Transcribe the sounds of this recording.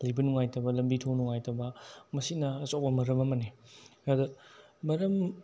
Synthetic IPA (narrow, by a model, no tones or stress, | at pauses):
lɐjbɐnuŋajtɐbɐlɐmbitʰonuŋajtɐbɐmɐsinɐːsopɐmɐɾɐmɐmɐneadɐmɐɾɐm